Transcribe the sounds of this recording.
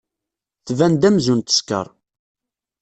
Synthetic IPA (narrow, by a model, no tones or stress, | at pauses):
θvænd̪æmzunt̪ə̥skə̰ɾˤ